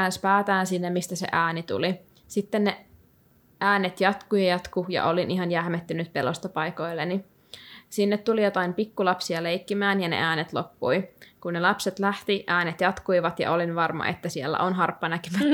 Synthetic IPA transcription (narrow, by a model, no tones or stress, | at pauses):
ænspæːt̪æːnsinːemist̪æsḛʔæːnit̪ṵli | sit̪ːenːe | æːnet̪jɑt̪kujɑjɑt̪kujɑ̰ʔo̞linʔiɦɑnjæhmet̪ːynyt̪pelost̪ɑpɑjko̞ilːeni | sinːet̪t̪ulijot̪ɑimpikːulɑpsiɑlejkːimæːnjɑnḛʔæːnet̪lo̰pːujkunːelɑpset̪læht̪iʔæːnet̪jɑt̪kuiʋɑt̪jɑ̰ʔo̞linʋɑrmɑ̰ʔet̪ːæsielːæ̰ʔonɦɑrpːɑnækyʋæ